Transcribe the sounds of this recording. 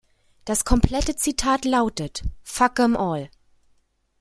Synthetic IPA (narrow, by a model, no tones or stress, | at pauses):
d̥askʰɔmpʰl̥ɛtət͡sitʰaːtlaʊtətfakəmʔɔːl